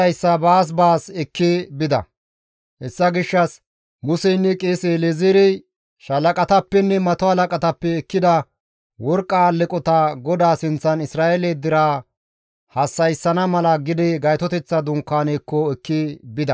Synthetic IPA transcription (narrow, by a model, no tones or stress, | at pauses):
ɐjsːɐbaːs̬baːsɛkːɪbɪd̪ɐ̰ | hɛsːɐɡɪʃːɐs | mʊsɛjnːɛkʼeːseːleziɾɛj | ʃɐlɐkʼɐt̪ɐpːɛnːɛmɐt̪ɔhɐlɐkʼɐt̪ɐpːɛːkːɪd̪ɐ | wɔɾkʼːaːlɪkʼɔt̪ɐɡɔd̪aːsɪnt͡sːɐnɪsɾaːʔelɛd̪ɪɾaː | hɐsːɐjsːɐnɐmɐlɐɡɪd̪ɪɡɐjt̪ɔt̪ɛt͡sːɐd̪ʊŋkːaːnekːɔɛkːɪbɪd̪ɐ